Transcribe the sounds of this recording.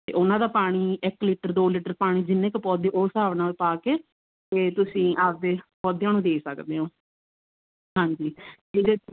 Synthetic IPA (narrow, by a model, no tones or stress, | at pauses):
t̪ḛːʔʊnãːd̪aːpaːɽ̃iːɪkliːʈəɾd̪oːliːʈəɾpaːɽ̃iːd͡ʒɪnːẽːkɪpɔːd̪eʔoːsaːʋnãːeːpaːkeː | t̪eːt̪ʊsĩːʔaːp̚d̪eːpɔːd̪jãːnũːd̪eːsəkd̪eːɦõː | ɦãːɲd͡ʒiːd͡ʒɪd̪eː